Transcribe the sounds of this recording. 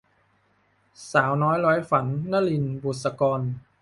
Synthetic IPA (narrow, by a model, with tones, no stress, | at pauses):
saː˩˦wnɔː˦˥jɾɔː˦˥jfa˩˦nːa˥˨li˧nbuː˨˩t̪̚sa˧kɔː˧n